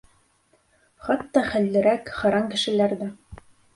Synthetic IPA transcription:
χɑt̪ːɑχæ̆lːɘ̆ɾækχɑ̆ɾɑŋkɘ̆ʃɘ̆læɾðæ

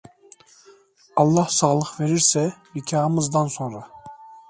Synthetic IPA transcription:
ɑlˠːɑhsɑːlˠɯχveɾiɾsɛnikʲʰɑːɯmɯzd̪ɑnsonɾɑ

